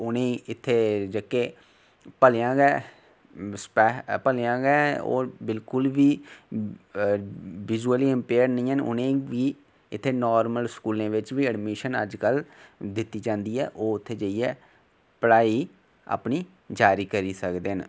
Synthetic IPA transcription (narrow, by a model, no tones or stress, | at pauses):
ʊnẽːɪt̪ʰːeːd͡ʒəkeː | pəleãːɡɛː | spɛːpəleãːɡɛːo̰ːbɪlkʊlʋiː | ʋɪzuəliːɪmpeːəɾnəĩːɦənʊ̰nẽːʋiː | ɪt̪ʰːeːnɔːɾməlskuːlẽːʋɪt͡ʃʋiːəɖmiːʃənə̰d͡ʒkəld̪ɪt̪ːiːd͡ʒãːnd̪iːɛ̰ːʔoːʊt̪ʰːeːd͡ʒəːiːɛː | pəɽaːiː | a̰ːpniː | d͡ʒaːɾiːkəɾiːsəkd̪eːən